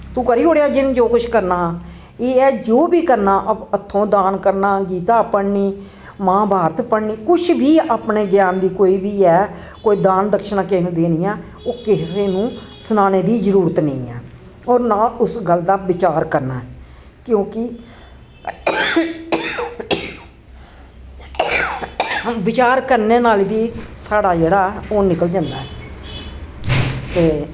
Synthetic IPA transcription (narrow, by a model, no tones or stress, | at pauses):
t̪ũːkəɾiːoːɽjaːd͡ʒɪnd͡ʒoːkʊʃkəɾnaː | eːɛːd͡ʒoːbiːkəɾnaːʔəbət̪ʰːõːd̪aːnkəɾnaːɡiːt̪aːpəɽniː | mãːbʱaːɾət̪pəɽniːkʊʃʰbiːaːpneːɡjaːnd̪iːkoːiːbiːɛː | koːiːd̪aːnd̪əkʃənãːkɪnũːd̪eːnĩːɛː | oːkɪseːnũːsʊnaːneːd̪iːzəɾuːɾət̪nə̃ḭ̃ːɛ̰ː | oːɾnãːʊsɡəld̪aːʋɪt͡ʃaːɾkəɾna̰ːɛ | kjõːkɪ | ʋɪt͡ʃaːɾkəɾneːnaːlʋiːsaːɽaːd͡ʒeːɽaːoːnɪkəld͡ʒãːnd̪a̰ːɛː | t̪eː